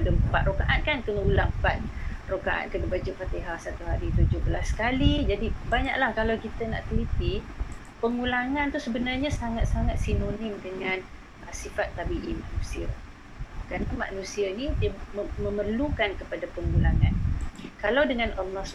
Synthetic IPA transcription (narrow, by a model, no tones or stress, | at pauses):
dəpaʔ̪̚rokaʔankankənəulapat̪̚rokaʔa̰nkənəbad͡ʒufat̪eɦasat̪uɦaɾit̪ud͡ʒʊhbəlasːkalid͡ʒadibaɲa̰ʔlahkalawkit̪əna̰ʔt̪ulit̪i | pəŋulaŋant̪usəbənarɲasaŋat̪̚saŋat̪̚sinonɪmdəŋan | əsifat̪ːabiʔimanũsia | kɾanama̰ʔnũsianidiəməmərlukankəpadapəŋulaŋankalawdəŋãnɔmɔs